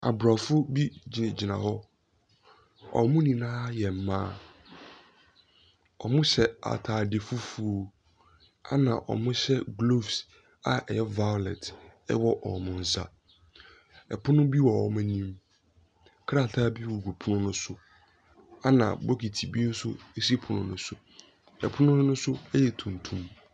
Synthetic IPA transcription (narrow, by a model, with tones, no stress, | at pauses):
a̰˨bɾa˨fʊ˦bi˦d͡ʑnɪ̃˨d͡ʑi˨nã̰˨hɔ˦ | ɔ̰˨mʊ̃˦nĩ˨nãː˦jɛ˨m̩˨mãː˦ | ɔ̰˨mʊ̃˦ɕɛ˨a̰˨tʰaː˨de˨fʊ˦fu˦o˦ | a̰˦nã˨ʔɔ̰˨mʊ̃˦ɕɛ˦ɡlo˦fs | a˨ʔɛ˨jɛ˦va˦jɔ˨lɛ˨tɛ̰˦wɔ˦ʔɔ˨mʊ̃˨n̩˨sa̰˨ | ɛ˨pʰʊ˦nʊ̃˦bi˦wɔ˨ɔ˨mã˦nĩ˦m | kʰɾa˦˨tʰa˦bi˦wu˨ɡu˨pʰu˦nʊ̃˦nʊ̃˦sʊ˦ | a˦nã̰˨bɔ˦kʰi˨tʰi˨bi˦e˦n̩˦sʊ̰˦e˦si˦pʰʊ˨nʊ̃˦nʊ̃˦sʊ˨ | ɛ̰˨pʰʊ˦nʊ̃˦ʊ̃˦nʊ̃˦sʊ˦ɛ˦jɛ˨tʰũ˨n˨tʰũ˦m